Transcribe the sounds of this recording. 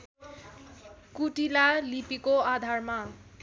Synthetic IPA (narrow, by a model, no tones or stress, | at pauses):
kuʈilalipikoad̪ʱaɹmã